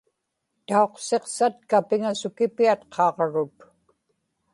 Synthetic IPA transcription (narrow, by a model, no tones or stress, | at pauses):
t̪ao̞qse̞qsat̪̚kapɪŋasʊkɪpiat̪qʰɑːʁɻʊt̪